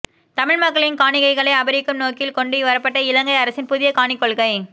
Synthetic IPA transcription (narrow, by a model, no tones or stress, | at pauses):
t̪ɐmɪɻmɐkːɐɭɪnkaːɳɪɣɐɪɣɐɭɐɪɐbɐɾɪkːɯmnoːkɪlkɔɳɖɯʋɐɾɐpːɐʈːɐɪlɐŋɡɐɪɐɾɐsɪnpʊðɪjɐkaːɳɪkːɔɭɣɐɪ